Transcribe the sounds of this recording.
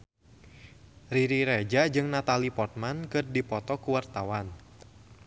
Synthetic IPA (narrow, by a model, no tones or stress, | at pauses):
riɾiɾed͡ʒad͡ʒɨŋnat̪alipɔrt̪̚mankɨrdipɔt̪ɔkuwart̪awan